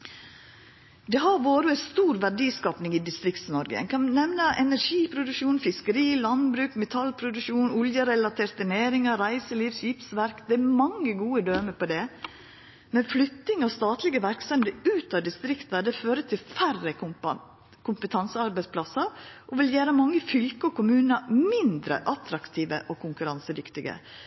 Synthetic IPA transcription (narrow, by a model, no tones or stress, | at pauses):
d̪ɛɦɑɾʋoːɾəɛst̪uːɾʋæɖiːskɑːpnɪŋiːd̪ɪst̪ɾɪkt̪snɔɾɡə̰nkʰɑnnɛmnəʔɛnæɾʂiːpʰɾʊd̪ʉʃuːnfɪskəɾiːlɑnbɾʉːkmɛt̪ʰɑlpʰɾʊd̪ʉkʂuːnʊljəɾɛlɑt̪ʰeːɾt̪əneːɾɪŋɑɾæɪsəliːʋʃɪpsʋæɾkd̪ɛæɾmɑŋːəɡuːəd̪øːməpʰɔd̪ɛ | mɛnflʏt̪ːɪŋɔst̪ɑːt̪lɪɡəʋæɾksɛmd̪əʉːt̪ɑd̪ɪst̪ɾɪkt̪ɑd̪ɛføːɾət̪ʰɪlfærːə | kʰʊmpət̪ʰɑnsəɑɾbæɪspʰlɑsɑʔɔʋɪljæːɾəmɑŋːəfʏlkəɔkʰʊmʉːnəmɪnd̪ɾə̰ʔɑt̪ɾɑkt̪ʰiːʋə̰ʔɔkʰʊŋkʉɾɑnsəd̪ʏkt̪ɪɡə̰